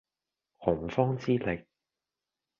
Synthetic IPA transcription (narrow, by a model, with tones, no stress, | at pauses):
hʊ˨˩ŋfɔː˥ŋt͡siː˥lɪ˨˩k̚